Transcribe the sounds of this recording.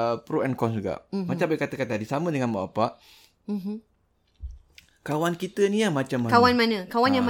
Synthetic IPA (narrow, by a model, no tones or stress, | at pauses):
pɾoɛnkɔnsd͡ʒuɡa̰ʔmat͡ʃambakat̪akat̪adisamə̃dəŋanba̰ʔapaʔ | m̩ɦ | kawankit̪əniamat͡ʃamːakawanmanəkawanjama